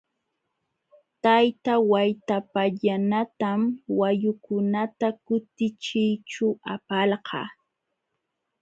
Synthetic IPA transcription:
t̪ajt̪awajt̪apaʎanat̪amwajʊkʊnat̪akʊt̪ɪt͡ʃɪjt͡ʃʊapalɢɑ̰ː

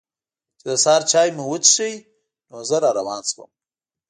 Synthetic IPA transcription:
t͡ʃɪd̪əsɑɾt͡ʃɑjmuwət͡ʃʃəj | nozəɾɑɾawɑnswə̰m

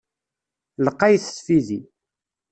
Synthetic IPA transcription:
ləqːɑjθə̥sfizi

